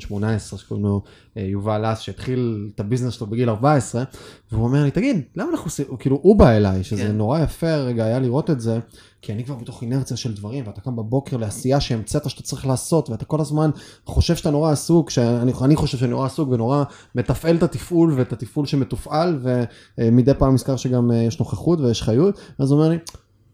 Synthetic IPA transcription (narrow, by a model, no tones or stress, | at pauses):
ʃmo̞naesʁeʃkno | ejuvalasʃeit̪χiltabiznesʃlobeɡilaʁbae̞sʁe̞veuome̞ʁanit̪aɡid̪lamaːnaχusikiːluʔubaelajʃezeno̞ʁajafe̞ʁeɡaːjaliʁo̞t̪etze̞ | kianikvaʁbet̪o̞χine̞ʁt͡sijaʃe̞ldvaʁimveatakambabo̞ke̞ʁle̞asijaʃeːmt͡set̪aʃat̪at͡saʁiχlaːso̞t̪veat̪ako̞lazmanχo̞ʃe̞vʃatano̞ʁaːsukʃeanianiχo̞ʃe̞vʃennoʁaːsukveno̞ʁa | me̞t̪afʔe̞lt̪at̪ifʔulvet̪at̪ifʔulʃeme̞tufʔalve̞ | mid̪epaːmːiskaʁʃeɡamjeʃno̞χaχutvejeʃχajutveazuome̞ʁli